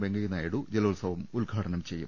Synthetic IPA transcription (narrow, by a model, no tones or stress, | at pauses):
beŋɡɐjinaːjiɽud͡ʑelɐulsɐʋɐmulɡʱaːʈɐnɐmt͡ɕe̞jːṵm